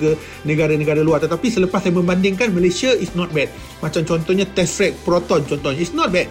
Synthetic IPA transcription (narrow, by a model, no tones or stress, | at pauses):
ɡə | nə̃ɡaɾanə̃ɡaɾaluart̪ət̪apisələpassajamə̃mbandɪŋkanməlesiaisnɔt̪̚bɛd̚ | mat͡ʃamt͡ʃɔnt̪ɔhɲat̪ɛsɾɛk̚pɾɔt̪ɔnt͡ʃɔnt̪ɔhɲaisnɔt̪̚bɛd̚